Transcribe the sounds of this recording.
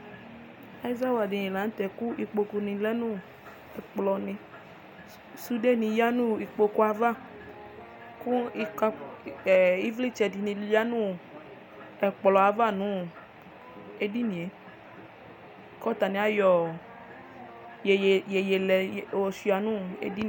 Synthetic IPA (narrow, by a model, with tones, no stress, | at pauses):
a˨i˦za˦wa˨di˨ji˨la˨n̩˦tɛ˨ku˦i˧k͡po˧ku˧nĩ˧lɛ˦nũ˦ | ɛ˨k͡plɔ˧nĩ˧ | su˦de˦˨nĩ˧ja˦nũ˦i˧k͡po˧ku˦a˧va˦˨ | ku˦i˧ka˧˨ | i˦vli˦˨t͡ʃɛ˧˨di˨nĩ˧ja˦nũ˦˨ | ɛ˨k͡pɔ˨lɔ˨a˧va˦˨nũ˨˦ | e˧di˦nĩ˨e˨˦˨ | kɔ˦ta˨nĩ˧a˦jɔ˨ | je˨je˧lɛ˧˨ɔ˧si˧˦a˨nũ˦ḛ˧di˦